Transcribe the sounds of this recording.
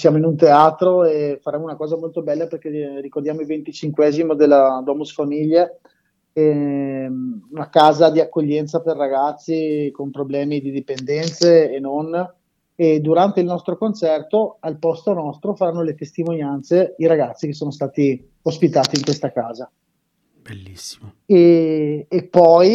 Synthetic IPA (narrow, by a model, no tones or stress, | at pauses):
sjaːmoinunt̪eaːt̪ɾoefaɾɛːmounakɔːzamolt̪obɛlːaperkerikord̪jaːmoilvent̪it͡ʃiŋkwɛzimod̪elːad̪wɔmusfamiʎːe | ɛ | unakaːzad̪iakːoʎːɛnt̪saperːaɡat̪sːikompɾoblɛːmid̪id̪ipend̪ɛnt̪seːnon | ed̪uɾant̪eilnɔst̪ɾokont͡ʃɛrt̪oalpɔst̪onɔst̪ɾofaɾanːolet̪est̪imonjant̪seiɾaɡat̪sːikesːoːnost̪aːt̪i | ospit̪aːt̪iːŋkwest̪akaːza | b̥elːisːimo | eː | pːɔj